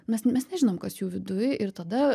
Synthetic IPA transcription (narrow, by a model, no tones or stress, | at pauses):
mʲɛsmʲɛsnʲɛʒʲɪnoːmkɐsjuːʋʲɪd̪ʊjʔɪɾt̪ɐd̪ɐ